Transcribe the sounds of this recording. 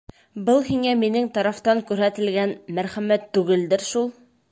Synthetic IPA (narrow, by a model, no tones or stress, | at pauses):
bɤlˠhiŋæminɘŋt̪ɑɾɑft̪ɑŋkʉɾhæt̪ɘ̆lɡænmæɾχæmæt̪ːʉɡɘld̪ɘɾʃulˠ